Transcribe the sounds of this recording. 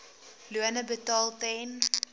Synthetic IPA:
luənəbətɑːlˠtɛn

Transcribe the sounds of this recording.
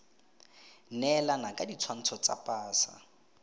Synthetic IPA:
nɛlanakʼadit͡sʰwan̩t͡sʰɔt͡sa̰pʼaːsa̰

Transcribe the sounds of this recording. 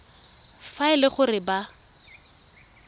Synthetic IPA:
faɪlɪχʊrɪba

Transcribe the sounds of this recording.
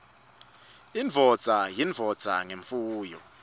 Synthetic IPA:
invʱɔ̥z̥ʱajinvʱɔ̥z̥ʱa̰ŋeɱfuːjɔ

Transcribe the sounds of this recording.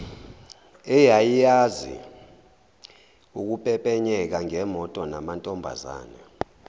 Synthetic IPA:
ɛjajijazḭ | uk̬upʼɛpʼɛɲɛk̬aŋɛmɔtʼɔnamantʼɔmbʱa̰za̰ːnɛ

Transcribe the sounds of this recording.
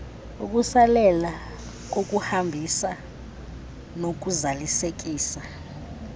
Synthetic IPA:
ṵk̬ʼusalɛla | ok̬ʼuhambʱisa | nok̬uzalisek̬ʼiːsa

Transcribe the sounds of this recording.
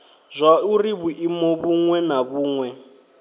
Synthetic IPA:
zʷauriβuʔimɔβuŋwɛnaβuːŋwɛ

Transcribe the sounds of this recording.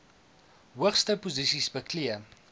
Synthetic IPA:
ɦuəχstəpuzisisbəkliə

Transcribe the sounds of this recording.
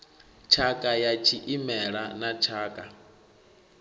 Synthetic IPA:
t͡ʃʰakʼajat͡ʃʰiʔimɛɺanat͡ʃʰaːkʼa

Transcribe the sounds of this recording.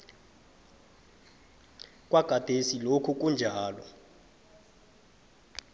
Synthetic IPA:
kʼwaɡ̥ʱad̥ʱesilokʰuk̬ʼund͡ʒʱaːlɔ

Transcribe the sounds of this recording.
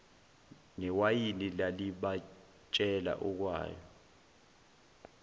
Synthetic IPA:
ŋɛwajinilaliɓa | t͡ʃʼɛla̰ʔɔk̬wa̰ːjɔ̰

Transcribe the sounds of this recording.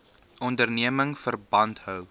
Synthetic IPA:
ɔndərniəməŋfərbɐntɦœw

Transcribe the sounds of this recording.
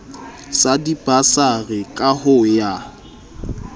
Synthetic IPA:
sadib̥asaɣɪkʼahʊja

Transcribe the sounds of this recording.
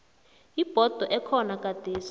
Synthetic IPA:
ib̥ʱɔd̥ʱɔʔɛkʰɔnak̬ʼad̥ʱeːs

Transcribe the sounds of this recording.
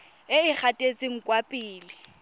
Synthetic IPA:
ɪɪk͡xʰatʼet͡sʼɪŋ̩kʼwapʼiːlɪ

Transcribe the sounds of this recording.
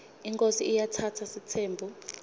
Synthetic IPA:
iŋkʼosiijatʰatʰasitʰeːmbʱu

